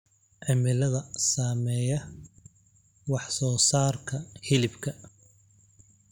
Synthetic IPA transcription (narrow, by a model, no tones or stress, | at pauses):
ʕɪmɪlɐðɐsaːmɛːjɐ | wɑħsɔːsaːrkʰɐhɪlɪbkʰɐ